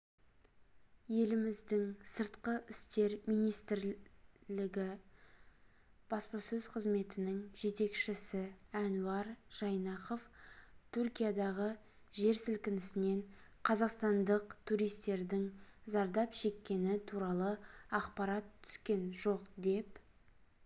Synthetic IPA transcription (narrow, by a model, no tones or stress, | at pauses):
je̞lɪmɪzd̪ɪŋsəɾt̪qəʔɪst̪e̞ɾmijnijst̪ɪɾlɪɡʲɪ | b̥ɑspɑsɵz̥qʰəzme̞t̪ɪnɪŋʒe̞t̪e̞kʃɪsɪænuɑɾʒ̥ɑjnɑqo̞ft̪ʰuɾkʲijad̪ɑʁə | ʒe̞ɾsɪlkʲɪnɪsɪne̞ɴqʰɑzɑqst̪ɑnd̪əqt̪ʰuɾijst̪e̞ɾd̪ɪŋzɑɾd̪ɑpʒ̥e̞kʲːe̞nɪt̪ʰuɾɑlˠəɑqpɑɾɑt̪ʰːʏ̥skʲe̞nʒo̞qd̪e̞p